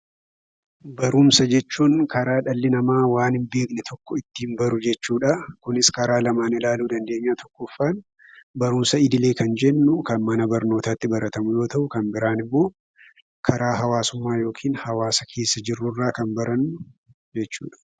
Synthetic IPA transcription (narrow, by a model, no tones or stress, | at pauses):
bɐɾʊmsɐd͡ʒɛt͡ʃːuːŋkʰɐɾaːᶑɐlːɪnɐmaːwaːnɪmbeːɡnɛt̪ʰɔkːɔɪt̪ːɪːnbɐɾʊd͡ʒɛt͡ʃːuːᶑɐkʊnɪskɐɾaːlɐmaːnɪlaːluːd̪ɐnd̪e̞ːɲːaːt̪ɔkːɔfːaːn | bɐɾʊmsɐɪd̪ɪle̞ːkɐnd͡ʒɛnːʊkɐnmɐnɐbɐɾno̞ːt̪aːt̪ːɪbɐɾɐt̪ɐmʊjo̞ːt̪ɐʔʊkɐmbɪɾaːnɪmːo̞ː | kʰɐɾʔaːɦɐwaːsʊmːaːjo̞ːkʰiːnhɐwaːsɐkʰe̞ːsːɐd͡ʒɪrːʊrːaːkɐnbɐɾɐnːʊ | d͡ʒɛt͡ʃːṵːᶑɐ̥